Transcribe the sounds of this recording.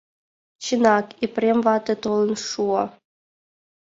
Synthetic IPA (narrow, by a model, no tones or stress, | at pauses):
ɕɯnɑkiprʲemʲvɑt̪ɤ̆t̪olˠɤ̆nʂuɤ̆